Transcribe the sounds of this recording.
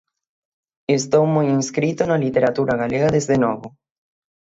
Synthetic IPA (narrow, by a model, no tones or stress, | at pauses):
est̪owmojiŋskɾit̪onɐlit̪eɾat̪uɾaɣaleɣaðezðenɔβʊ